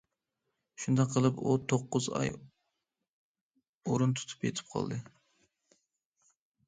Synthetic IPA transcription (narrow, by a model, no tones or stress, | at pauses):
ʃund̪ɑqʰːəlˠɨput̪ʰoqːʊzɑ̰j | oɾunt̪ʰu̥t̪ʰu̥pḛt̪ʰɪ̥p̚qʰɑ̰lˠd̪ɨ